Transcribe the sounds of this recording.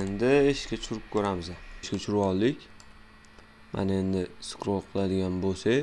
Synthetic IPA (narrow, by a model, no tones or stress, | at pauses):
end̪ɪeʃkʲat͡ʃʰʊɾɪp̚kʰʲɵɾamɪzaʃkʲat͡ʃʰʊɾɒlˠːɪkʲ | mʔa̰ne̞nd̪ɪsɨ̥kɾolˠqʰɨlˠad̪ɪɡʲanbosaj